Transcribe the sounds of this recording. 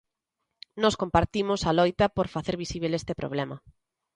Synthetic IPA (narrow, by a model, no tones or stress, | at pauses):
nɔskompaɾt̪imʊsalojt̪ɐpoɾfaθeɾβisiβ̞elest̪epɾo̰β̞lɛmɐ